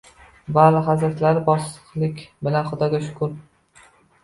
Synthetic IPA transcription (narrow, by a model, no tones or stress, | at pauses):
balɪɦazɾaɾt̪laɾɪbɒsɨ̥qlˠɪkʲbɪlanχʊd̪ɒɡʲaʃʊ̥kʰʊɾ